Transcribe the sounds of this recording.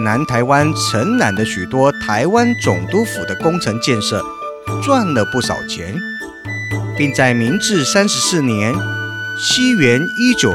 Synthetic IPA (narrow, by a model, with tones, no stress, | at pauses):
na˧˥nt̪ʰa˧˥ɪwa˥nʈ͡ʂʰə˧˥nna̰˨˩nd̪ə˦ɕy˨˩t̪wɔ˥t̪ʰa˧˥ɪwa˥nt͡sʊ˨˩ŋt̪u˥fṵ˨˩d̪ə˦kʊ˥ŋʈ͡ʂʰɤ˧˥ŋt͡ɕjɛ˥˧nʂɤ̰˥˩ | t͡swa˥˩nlə˨˩pu˥˩ʂɑ̰˨˩ʊt͡ɕʰjɛ̰˧˥n | pi˥˧ŋt͡sa˥˩ɪmi˧˥ŋʈ͡ʂɻ̩˥˧sa˥nʂɻ̩˧˥sɹ̩˥˩njɛ˧˦˥nɕi˥ɥɛ˧˥ni˥t͡ɕjo˨˩